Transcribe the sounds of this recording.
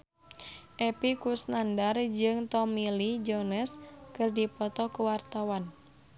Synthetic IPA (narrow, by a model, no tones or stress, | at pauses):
ʔɛpikusnandard͡ʒɨŋt̪ɔmilid͡ʒonɛskɨrdipɔt̪ɔkəwart̪awan